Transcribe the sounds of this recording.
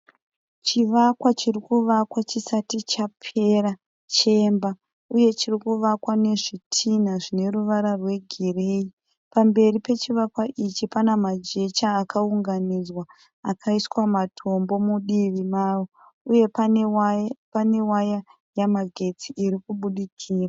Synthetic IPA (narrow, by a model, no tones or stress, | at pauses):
t͡ʃiʋakwat͡ʃirikuʋakwat͡ʃisatit͡ʃapʰe̞ɾa | t͡ʃe̞mba | uje̞t͡ʃirikuʋakwane̞ʐitʰin̤aʐine̞ɾuʋaɾarwe̞ɡʱire̞i | pambe̞ripe̞t͡ʃiʋakwaʔit͡ʃipanamad͡ʒe̞t͡ʃaːkauŋɡanid͡zwaː | kʰaiswamatʰo̞mbo̞muɗiʋimawo | uje̞papane̞waja | jamaɡʱe̞t͡siiɾikuɓuɗikʰiːra